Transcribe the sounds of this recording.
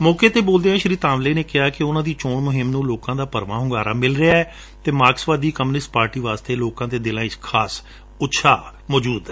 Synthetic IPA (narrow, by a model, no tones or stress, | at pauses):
mɔːkeːt̪eːboːld̪eːɦãːʃəɾiːt̪ãːmleːneːkɪɦaːkɪʊnãːd̪iːt͡ʃoːɳmʊɦɪmnũːloːkãːd̪aːpəɾʋãːɦʊŋɡaːɾa̰ːmɪlɾɪaːɛː | t̪eːmaːksʋaːd̪iːkəmːnɪsʈpaːɾʈiːʋaːst̪eːloːkãːt̪eːd̪ɪlãːɪkʰaːs | ʊtːʃʰaːmɔːd͡ʒuːd̪ɛː